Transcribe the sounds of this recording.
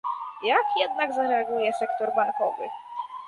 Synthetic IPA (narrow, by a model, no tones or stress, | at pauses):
jakjɛd̪̚naɡzaɾɛaɡujɛsɛkt̪ɔɾbaŋkɔ̰vɘ̰